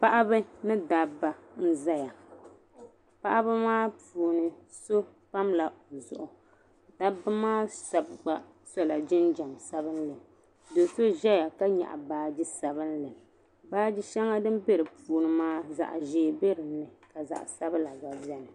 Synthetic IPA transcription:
pa˦ʔa˦bɨ˦nɨ˦da˦bːa˨n̩˦za˦ja˨ | pa˦ʔa˦bɨ˦maː˦puː˨nɨ˨ | so˦ | pa˦mla˨o˨zʊ˨ʔʊ˨ | da˦bɨ˦maː˦sa˨bɡ͡ba˨ | so˦la˨d͡ʒɪ˦nd͡ʒa˨msa˦bɨ˦nlɨ˨m | do˨so˦ʒɛ˦ja˨ka˦ɲɛ̰˨ʔa̰˨baː˨d͡ʒɪ˦sa˨bɨ˦n˦lɨ˨m | baː˦d͡ʒɪ˦ʃɛ˦ŋa˦dɨ˦mbe˦ɾɨ˨pʰuː˨nɨ˦maː˦za̰˨ʔʒeː˦be˦ɾɨ˨nːɨ˨ka˨za̰˨ʔsa˦bɨ˦la˨ɡa˨bɛ˦nɨ˨

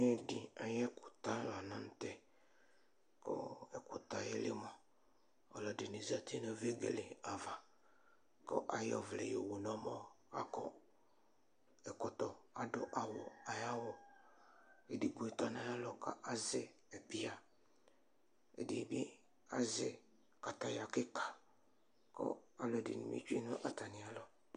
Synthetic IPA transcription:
n˦ɛ˦˨dɪ˨a˨jɛ˦kʊ˨t̪a˦la˨nã˦n̩˦tɛ˨ | kɔ̰˦ɛ˨kʊ˨t̪a˦jɛ˦lɪ˦mɔ̃˨ | ɔ˨lɔ˦dɪ˨nɪ˨za˨t̪ʰe˦nɔ˦ve˦ɡḛ˨lɪ˨a˨va˨ | kɔ̰˦ʔa˨jɔ̰˦˨vlɛ̰˨je˨wu˨nɔ̃˦mɔ˦ | a̰˦kɔ̰˦ | ɛ˨kɔ˨t̪ɔ˨a˨dɔ̰˨ʔa˨wɔ˨a˨ja˦wɔ˦ | e˨di˨ɡo˨ɛ˨t̪ɔ˦nã˨ja˦lɔ˨ka̰˨ʔa˦zɪ˨ | ɛ˨pi˦a˨ | ḛ˨di˨bi˦ | a˦zɪ˨ | ka˨t̪a˨ja˨kɪ˦ka˨ | kɔ̰˦a˨lɔ˨dɪ̰˨nḭ˨mḭ˦t͡ʃu˦i˦nʊ̃˦ʔa˨t̪a˨nĩ˨a˦lɔ˨

